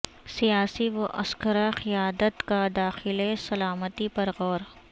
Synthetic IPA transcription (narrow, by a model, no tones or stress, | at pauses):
sijaːsiʋoʔɐ̰skəɾaxɪjaːd̪ət̪kad̪aːxɪlesɐlaːmət̪ipɐɾɣɔːɾ